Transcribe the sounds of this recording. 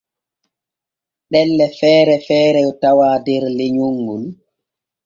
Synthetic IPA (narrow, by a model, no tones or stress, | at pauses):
ɗɛlːɛfɛːɾɛfɛːɾɛɔtawaːdɛɾleɲoŋɡun